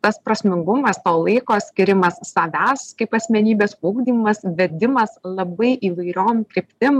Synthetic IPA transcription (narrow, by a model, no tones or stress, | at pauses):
t̪ɐspɾɐsʲmʲɪŋɡʊmɐst̪oːlˠɐɪkoːsʲkʲɪɾʲɪmɐsːɐʋʲæːskɐɪpɐsʲmʲɛnʲiːbʲeːspuːɡd̪ʲiːmɐsʋʲɛd̪ʲɪmɐslˠɐbɐɪʔiːʋɐɪɾʲoːmkɾʲɪpʲt̪ʲɪm